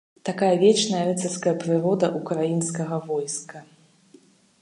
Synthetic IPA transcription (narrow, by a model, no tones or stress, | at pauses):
t̪akajɐvʲɛt͡ʂnɐjɐɾɛt̪ɛrskɐjɐpɾɨɾɔd̪ɐʔukɾajinskɐɣɐvɔjskɐ